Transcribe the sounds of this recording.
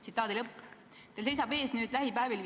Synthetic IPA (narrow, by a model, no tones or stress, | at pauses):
sit̪ːˑɑːd̪ilɤpː | t̪else̞jsɑbe̞ːsnyːd̪̥læɦipæevil